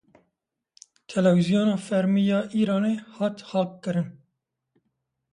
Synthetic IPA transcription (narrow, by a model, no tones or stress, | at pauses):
t̪ʰɛlɛvizijoːnɑːfɛɾmiːjɑːʔiːɾɑːneːhɑːt̪xɑːlkːɨɾɨn